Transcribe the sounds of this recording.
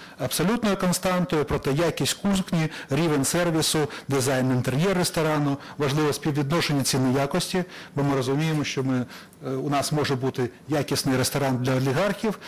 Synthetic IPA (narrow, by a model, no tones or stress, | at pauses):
ɐbsɔlʲut̪nɔɦɔkɔnst̪ɑnt̪ʊjɔpɾɔt̪ɛjakʲisʲtʲkuzknʲiɾʲiʋenʲsɛrʋʲisʊd̪ɪzɑjnɪnt̪eɾʲjɛrːest̪ɔɾɑnʊ | ʋɐʒlˠɪʋɔsʲpʲiwʋʲʋʲid̪nɔʃenʲːɐt͡sʲinɪjakɔsʲtʲibɔmɪɾɔzʊmʲijemɔʃʲt͡ʃɔmɪ | ʊnɑsmɔʒɛbut̪ɪjakʲisnɪjɾest̪ɔɾɑnd̪lʲɐɔlʲiɦɑrxʲiw